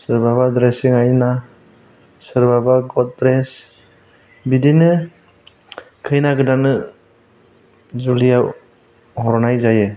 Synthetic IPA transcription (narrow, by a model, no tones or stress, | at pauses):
sɯɾbaβadɾesiŋajna | sɯɾbabaɡɔt̚dɾes | bidinɯ | kʰɯjnaɡɯdanɯ | zulijaw | hɔɾɔnajzajɯ